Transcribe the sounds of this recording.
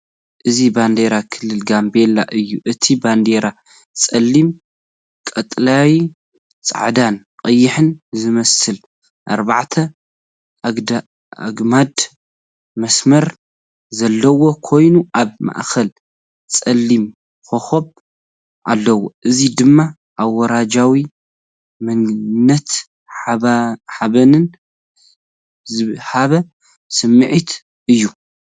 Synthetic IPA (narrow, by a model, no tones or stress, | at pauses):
ʔɨziband̪eɾakʰɨlːɨlɡambe̞lːa̰ʔɨjːuʔɨt̪ʰiband̪eɾa | t͡sʼɐlːim | kʼɐt̪ʼlawi | t͡sʼa̰ʕd̪an | qʼɐjːɪħɨnzɨmɐsɨl | ʔaɾbaʕt̪ʰɐ | d̪a | a̰ɡmad̪ | mɐsmɐɾ | zɐlːɐwo̞kʰo̞jnuʔaβma̰ʔkʰɐl | t͡sʼɐlːim | xoxoβ | ʔa̰lːɐwoʔɨzid̪ɨmːa | ʔawːɐɾad͡ʒawi | mɨnnɐt̪ | ħaβɐnɨn | zɨħaβɐ | sɨmːɨʕit̪ | ʔɨjːu